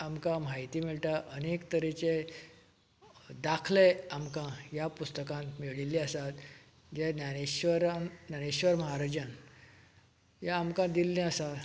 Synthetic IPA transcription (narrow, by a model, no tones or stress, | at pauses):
amkãmajt̪iːmiɭʈ̪aʔənekt̪əɾet͡ɕe | d̪akʰleamkãjapust̪əkãnmeɭilːĩəsat̪ | d͡ʑenaneɕʋəɾannaneɕʋəɾməɦaɾad͡ʑan | jaamkãd̪ilːẽəsa